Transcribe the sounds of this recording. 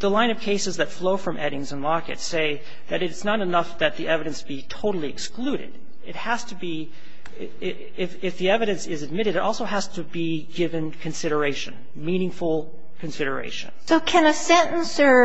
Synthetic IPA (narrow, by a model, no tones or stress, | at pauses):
ðəlãɪ̃nʌv̥kʰeɪsɨzðɨtfloʊfɹʌ̃mʔɛɾɪ̃ŋzə̃nlɑkɨ̰tseɪ | ðɨɾɨtsnəɾɨnʌfðɨt̪̚ðiʔɛvɨɾɨ̃nsb̥itʰoʊɾl̩ˠiɨksklʉɾɨ̰d | ɨt̚hæz̥tɨbi | ɪ | ɪfɪfðiɛvɨɾɨ̃nsɪzɨd̚mɪɾɨɾɨɾʔɔlˠsoʊɦæz̥tʰɨbi | ɡɪvɨ̃nkʰɨ̃nsɪɾə˞eɪʃɨ̰̃n | mĩnɪ̃ŋfl̩ˠ | kʰɨ̃nsɪɾə˞ḛɪʃɨ̰̃nsoʊkʰɨ̃nɨsɛ̃nn̩sə˞